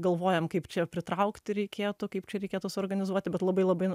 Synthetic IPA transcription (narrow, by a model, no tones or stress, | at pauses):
ɡɐlˠʋoːjɛmkɐɪpt͡ʃʲɛpʲɾʲɪt̪ɾɐʊkt̪ʲɪɾʲɛɪkʲeːt̪ʊkɐɪpt͡ʃʲɛɾʲɛɪkʲeːt̪ʊsʊoːrɡɐnʲɪzuɔt̪ʲɪbʲɛt̪lˠɐbɐɪlˠɐbɐɪ